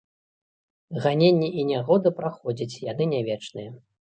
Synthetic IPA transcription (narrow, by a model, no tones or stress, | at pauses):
ɣanʲenʲːɛʔinʲaɣɔd̪ɨpɾaxɔd͡zʲit͡sʲjan̪ɨnʲavʲɛt͡ʂnɨjɛ